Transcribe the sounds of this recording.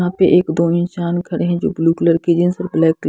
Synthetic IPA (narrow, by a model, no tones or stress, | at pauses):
ɦãpeʔeːkd̪oːɪnsaːnkʰəɾeɦɛ̃d͡ʒo̰ːbluːkləɾkeːd͡ʒɪnsəɾblɛːkːl